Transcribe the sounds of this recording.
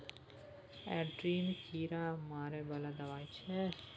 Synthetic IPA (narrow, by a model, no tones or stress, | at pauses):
ɛɖɾiːnkʰiːɾamaːɾebɐlad̪ɐʋaːjt͡ʃʰɛ